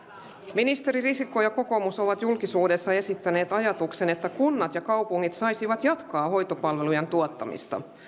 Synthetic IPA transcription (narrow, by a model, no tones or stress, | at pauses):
minist̪e̞ɾirisikːojɑko̞ko̞muso̞ʋɑt̪julkisuːde̞sːɑe̞sit̪ːæne̞ːt̪ɑjɑt̪ukse̞ne̞t̪ːækunːɑt̪jɑkɑwpuŋːit̪sɑjsiʋɑt̪jɑt̪kɑːɦo̞jt̪o̞pɑlʋe̞lujent̪uot̪ːɑmḭst̪ɑ̰